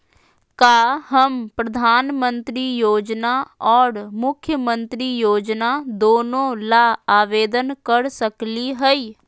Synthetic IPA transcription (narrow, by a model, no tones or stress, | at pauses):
kaːɦəmpɾɐd̪ʱaːnmə̃nt̪ɾijoːd͡ʒnaɔːɾmʊkʰjəmə̃nt̪ɾijoːd͡ʒnad̪oːnõlaːaːʋeːd̪ənkəɾsəkliɦɛi